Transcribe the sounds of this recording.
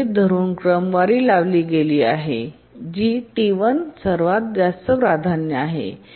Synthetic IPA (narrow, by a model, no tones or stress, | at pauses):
d̪ʱəɾuːnkɾəmʋaɾiːlaʋliːɡeliːaɦḛ | d͡ʑiːʈiʋənsəɾʋat̪̚d͡ʑast̪əpɾad̪ʱanjəaɦḛ